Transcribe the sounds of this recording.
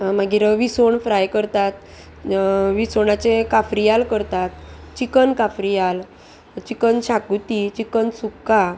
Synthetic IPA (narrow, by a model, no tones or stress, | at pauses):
maɡiɾəʋisoɳfɾajkəɾt̪at̪̚ | ʋisoɳat͡sekafɾijalkəɾt̪at̪t͡ɕikənkafɾijal | t͡ɕikənɕakut̪it͡ɕikənsukːa